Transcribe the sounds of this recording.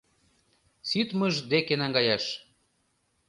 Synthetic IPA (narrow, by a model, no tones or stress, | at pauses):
sit̪məʒd̪ekenɑŋɡɑjɑʃ